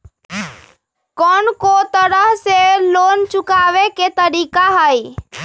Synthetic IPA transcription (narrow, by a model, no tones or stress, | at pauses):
kɔːnkot̪əɾəɦseloːnt͡ʃʊkaːʋeket̪əɾiːkaɦəj